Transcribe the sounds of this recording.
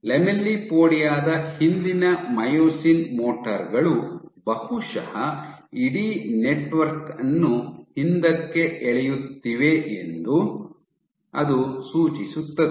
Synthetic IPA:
lemelːipoːɽijaːd̪ɐhind̪inɐmɐjoːsinmoːʈɐɾɡɐɭubɐhuʂɐhɐ | iɽineʈʋɐɾkɐnːuhind̪ɐkːe̞ɛɭɛjut̪ːiʋeend̪u | ɐ̰d̪usuːt͡ʃisut̪ːɐd̪

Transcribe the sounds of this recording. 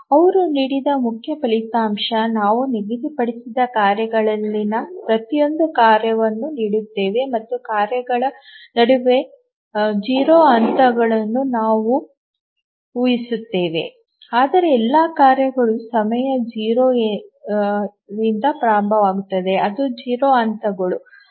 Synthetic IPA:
ɐʋɐɾuniːɽid̪ɐmukʰjɐpɐɭit̪aːmʂɐnaːʋuniɡid̪ipɐɽisid̪ɐkaːɾjɐɡɐɭɐlːinɐpɾɐt̪ijo̞nd̪ukaːɾjɐʋɐnːuniːɽut̪ːeːʋe̞mɐt̪ːukaːɾjɐɡɐɭɐnɐɽuʋe̞ | d͡ʒiːɾoːɐnt̪ɐɡɐɭɐnːunaːʋu | uːjisut̪ːe̞ːʋe̞̰ | aːd̪ɐɾe̞ɛlːaːkaːɾjɐɡɐɭusɐmɐjɐd͡ʒiːɾoː | ɾind̪ɐpɾaːɾɐmbʱɐʋaːɡut̪ːɐd̪e̞ʔɐd̪ud͡ʒiːɾoːɐnt̪ɐɡɐɭu

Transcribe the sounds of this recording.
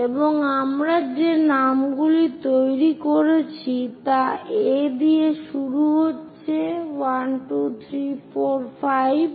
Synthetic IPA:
eboŋamɾad͡ʑenamɡulit̪ojɾikoɾet͡ɕʰit̪aed̪ieʃuɾuɦotːɕʰewanʈut̪ʰɾifoɾfajb

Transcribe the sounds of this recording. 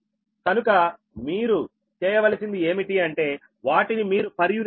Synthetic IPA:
kɐnukɐ | miːɾu | t͡ʃɛːjɐʋɐlɐsind̪ie̞ːmiʈiɐɳʈe̞ː | ʋaːʈinimiːɾupɐɾjuɾ

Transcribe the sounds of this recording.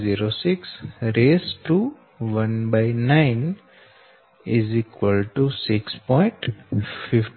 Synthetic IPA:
ziːɾosɪksɾeːsʈuː | ʋə̃nbaɪnãɪn | ɪzikʋəlʈusɪkspɔ̃ɪ̃ɳʈfɪfʈ

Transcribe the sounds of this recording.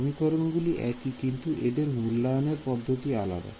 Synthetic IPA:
mikɔɾonɡuliʔɛkikint̪uʔed̪eɾmulːaneɾpɔd̪ʱːot̪iala̰d̪a̰

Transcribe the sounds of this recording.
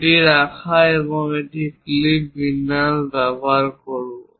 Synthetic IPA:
ʈiɹakʰaeβɔŋetiklipːinasbabaɹkɔɹu

